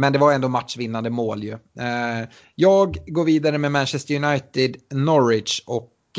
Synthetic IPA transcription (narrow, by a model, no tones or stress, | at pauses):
mɛnd̪ɛvaɾjɛnd̪oːmatʂvɪnːand̪əmoːljɵ | jɑːɡɡoːɾviːd̪aɾəmɛmænʃɛst̪əɾjʊnajt̪ɪd̪nɔɾɪd̪ʂɔk